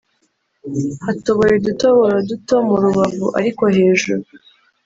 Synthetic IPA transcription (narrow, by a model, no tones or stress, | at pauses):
hato̞βo̞ɾeduto̞βo̞ɾaduto̞muɾuβavṵʔa̰ɾiko̞he̞ːʒuɾu